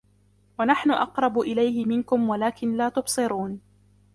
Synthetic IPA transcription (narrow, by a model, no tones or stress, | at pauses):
wanaħnʊʔɑqɾˤɑbʊʔɪlajhɪmɪnkʊmwalaːkɪnlaːt̪ʊbsˤɨɾuːn